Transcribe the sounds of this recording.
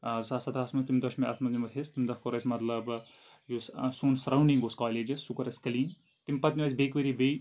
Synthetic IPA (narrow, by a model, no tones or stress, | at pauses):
sasɐt̪ʰɐːsmɐt̪imd̪ɐʃmɐɐ̰sʰmɐznʲimɐt̪ʰest̪imd̪ɐkoɾɐsʲmɐt̪lɐb | jussuːnsɐɾɐwniŋboːskaːleːd͡ʒɐsːukɐɾɐskɐliːn | t̪impɐt̪nʲiʋɐsʲbekʋeɾibej